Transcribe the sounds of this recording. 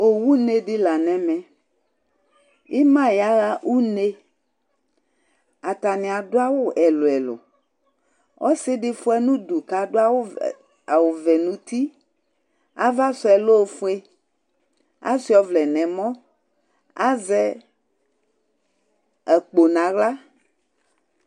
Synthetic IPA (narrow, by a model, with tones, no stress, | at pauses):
o˨wu˦ne˦ɖi˦la˨nɛ̃˦mɛ̃˨ | i˦mã˦ja˦ɣa˦u˦ne˦ | a˨t̪a˨nɛ̃˨a˨do˦a˦wo˦ɛ˨lo˨ɛ˨lo̰˨ | wʔɔ̰˦se˦ɖi˦fo˦ɛ˦nũ˦du˨ka˨do˦a˦wo˦ | a˨wo˨vɛ˨nũ˦t̪i˦ | a̰˦va˦sɔ˨ɛ˨lo˦˨fo˦e˦ | a̰˦si˨˦ɔ˦vlɛ˨nɛ̃˨mɔ̃˦ | a˦zɛ˦ | ɛ˨k͡po˨nã˨ɣla˦